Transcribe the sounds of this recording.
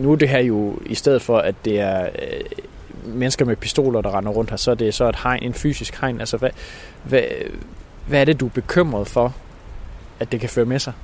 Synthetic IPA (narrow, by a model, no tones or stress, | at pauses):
nud̥e̝ɦæɐjo̝isd̥eð̩ˠfɒ̽ʔæd̥ːe̝æɐ | menəsɡ̥ɐmepʰisd̥o̝̰ːlɐd̥ɑ̈ʁɑ̈nɐʁɔ̽n̰d̥hæsɒ̽ɐd̥e̝sɒ̽e̝d̥hɑ̈ɪnʔe̝nfy̰ːsisɡ̥hɑ̈ɪ̰nʔælsəʋæʋæ | ʋæɐɾ̥e̝d̥ub̥e̝kʰøm̰ʁɐðˠfɒ | æd̥e̝kʰæføːɐmesɑ̈ɪ